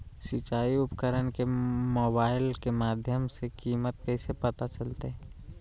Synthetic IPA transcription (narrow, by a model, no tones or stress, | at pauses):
sɪt͡ʃaːiʊpkəɾənkemoːbaːɪlkemaːd̪ʱjəmsekiːmət̪kɛɪsepət̪at͡ʃəlt̪eɦɛ̃